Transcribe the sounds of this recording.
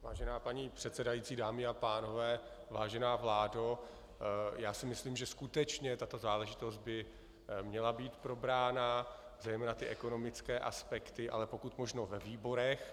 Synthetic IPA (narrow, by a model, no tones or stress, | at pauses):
vaːʒɛnaːpaɲiːpr̝̥ɛt̪sɛdajiːtt͡siːdaːmɪapaːno̞vɛː | vaːʒɛnaːvlaːdo | jaːsɪmɪsliːmʒɛskut̪ɛt͡ʃɲɛt̪at̪o̞zaːlɛʒɪt̪o̞sd̪̚bɪ | mɲɛlabiːt̪pɾo̞bɾaːnazɛjmɛːnat̪ɪʔɛko̞no̞mɪt͡skɛːʔa̰spɛkt̪ɪʔa̰lɛpo̞kut̪mo̞ʒno̞vɛviːbo̞ɾɛx